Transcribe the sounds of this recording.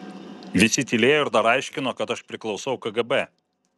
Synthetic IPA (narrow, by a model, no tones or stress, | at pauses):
ʋʲɪsʲɪt̪ʲɪlʲeːjoːɪɾd̪ɐɾɐɪʃʲkʲɪnoːkɐt̪ɐʃpʲɾʲɪklˠɒʊsɐʊkɐɡɐbɛ